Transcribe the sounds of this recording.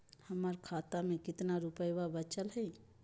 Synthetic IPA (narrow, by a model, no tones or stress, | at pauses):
həməɾkʰat̪amekɪt̪naɾupəjbabət͡ʃəlɦəj